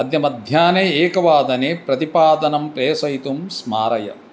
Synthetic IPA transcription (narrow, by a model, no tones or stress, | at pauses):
ɐd̪jɐmɐd̪ʱjaːneeːkɐʋaːd̪ɐneːpɾɐt̪ipaːd̪ɐnɐmpɾeːsɐit̪umsmaːɾɐjɐ̰